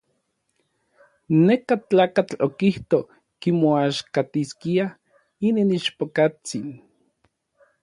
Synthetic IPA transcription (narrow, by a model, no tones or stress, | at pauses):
nekat͡ɬaːkat͡ɬokiht̪o | kimoaʃkat̪iskia | ininit͡ʃpokat͡sin